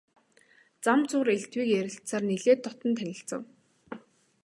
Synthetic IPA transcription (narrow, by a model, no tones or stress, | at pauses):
t͡samt͡sʊːɾeɬt̪wiːkjæɾʲɪ̆ɬt͡saːrneɮeːt̪ːɔt̪ɞ̆nt̪ʰænʲɪ̆ɬt͡sə̆w